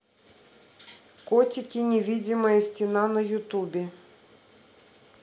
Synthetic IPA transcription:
kotʲɪkʲɪnʲɪvʲidʲɪməjəsʲtʲɪnanɐjʊt̪ubʲɪ

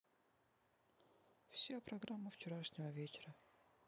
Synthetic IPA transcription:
fsʲapɾɐɡɾamːəft͡ɕɪɾaʂnʲɪvəvʲet͡ɕɪɾə

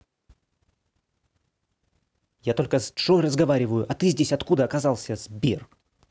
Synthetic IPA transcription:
jat̪o̞lʲkəsʂorəzɡɐvaɾʲɪvəjʊʔɐt̪ɨzʲdʲesʲɐt̪kud̪əɐkɐzɑlˠsʲəz̥bʲer

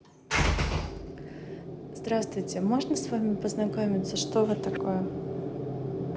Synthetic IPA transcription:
zd̪ɾast̪vʊjtʲɪmoʐnəsvamʲɪpəznakomʲɪt̪sːəʂt̪ovɨt̪akojɛ

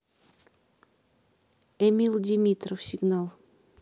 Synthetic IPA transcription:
ɛmʲilˠdʲɪmʲit̪ɾəfsʲɪɡnalˠ

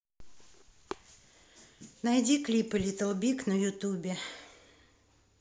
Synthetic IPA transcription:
najdʲiklʲipɨlʲɪt̪əlˠbʲiknəjʊt̪ubʲɪ

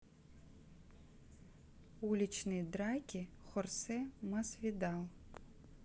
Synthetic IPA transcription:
ulʲit͡ʃnɨjd̪ɾɑkʲixɔrsɛmɐsʋʲid̪ɑlˠ

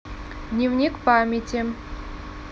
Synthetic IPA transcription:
d̪nʲivnʲikpamʲetʲi

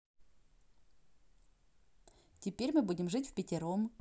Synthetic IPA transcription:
tʲɪpʲeɾʲmɨbudʲɪmʐɨtʲfʲpʲɪtʲɪɾom

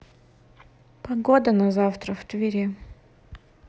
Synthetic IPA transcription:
pɐɡod̪ənɐzaft̪ɾəft̪vʲɪɾʲɛ

